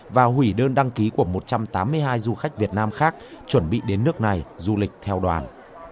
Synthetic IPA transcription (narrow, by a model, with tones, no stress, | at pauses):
vaː˨˩hwi˧˩ɗəː˧nɗa˧ŋki˨˦ku˧˩əmo˨˩t̚t͡ɕa˧mt̪aː˨˦mːɨ˧əjɦaː˧jzu˧xa˦˥jk̟̚vi˨˩ət̚naː˧mxaː˦˥k̚t͡ɕwə˧˩nɓḭ˧˨ɗe˨˦nːɨ˦˥ək̚na˨˩jzu˧lï˨˩k̟̚t̪ʰɛ˧wɗwa̰ː˨˩n